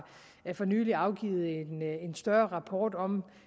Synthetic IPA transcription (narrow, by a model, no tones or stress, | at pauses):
æfɒ̽ny̰ːliɑ̈ʊɡ̥ḭːð̞̩ˠe̝nensd̥ɶɐʁɑ̈pʰɒːd̥ɒ̽m